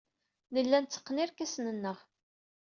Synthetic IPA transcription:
nəlːænt͡sːə̥qːnɪɾkæsnənːəʁ

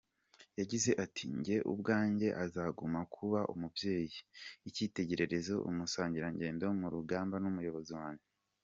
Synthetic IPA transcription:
jaɟize̞ʔatiɲɟe̞ʔṵb̚ɡaːɲɟe̞ʔazaːɡumakʰuβaʔṵmubje̞ːjiiciːte̞ɟe̞ɾe̞ɾe̞zo̞ʔṵmusaːɲɟiɾaɲɟe̞ːndo̞muɾuɡaːmbanumujo̞βo̞ziwaːne

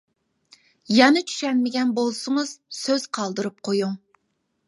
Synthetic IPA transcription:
jɛnɪt͡ʃʰy̥ʃɛnmɪɡʲɛnbolˠsʊŋɨz̥søz̥qʰɑlˠd̪ɨɾup̚qʰojuŋ

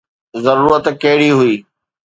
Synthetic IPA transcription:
zɐɾuːɾət̪kɐɦɪɽiɦʊiː

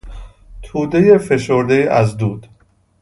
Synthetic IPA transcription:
t̪ʰuːd̪ejefe̞ʃoɾd̪eʔæzd̪uːd̪̥

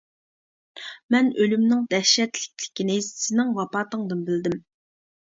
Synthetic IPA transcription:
mɛnølymnɪŋd̪ɛʃɛt̪lɪk̚ʲlɪ̥kʲinɪssɪnɪŋvɑpɑːt̪əŋd̪ɨnbɪld̪ɪm

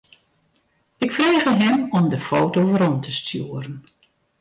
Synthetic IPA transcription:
ɪkfreːɣəɦɪmɔmdəfoːwtowvəɾɔntʰəstʰjuəɾən

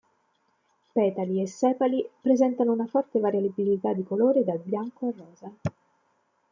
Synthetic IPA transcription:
pɛːt̪aliesːɛːpalipɾezɛnt̪anounafɔrt̪evaɾjalibilit̪ad̪ːikoloːɾed̪albjaŋkoarːɔːza

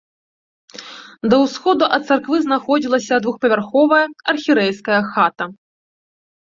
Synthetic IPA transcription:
d̪ɐwsxɔd̪uʔɐt̪t̪sarkvɨznaxɔd͡zʲilˠɐsʲɐd̪vuxpɐvʲarxɔvɐjɐɐrxʲiɾɛjskɐjɐxat̪ɐ

